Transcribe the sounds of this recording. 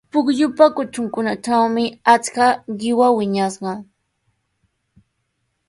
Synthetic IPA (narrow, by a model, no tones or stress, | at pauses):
pʊkʎʊpakʊʈ͡ʂʊŋkʊnaʈ͡ʂawmɪat͡skaɢɪwawɪɲasɢɑ